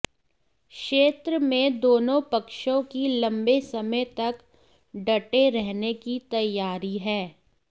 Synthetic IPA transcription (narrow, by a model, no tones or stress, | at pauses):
kʃeːt̪ɾəmẽd̪oːnõpɐkʃõkilɐ̃mbesɐməjt̪ɐk | ɖɐʈeɾɛɦnekit̪ɐjːaːɾiɦɛː